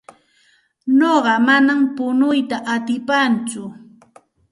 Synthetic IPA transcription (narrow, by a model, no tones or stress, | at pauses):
noɢɑmanampʊnʊjt̪aʔat̪ɪpant͡sʊ